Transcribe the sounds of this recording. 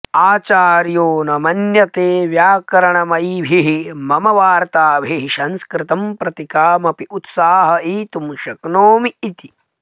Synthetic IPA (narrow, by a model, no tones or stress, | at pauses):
aːt͡ʃaːɾjoːnɐmɐnjɐt̪eːʋjaːkɐɾɐɳɐmɐjʋʱiɦimɐmɐʋaːɾt̪aːʋiɦiʃɐnskɾɪt̪ɐmpɾɐt̪ikaːmɐpiut̪saːɦɐiːt̪umʃɐknoːmiit̪i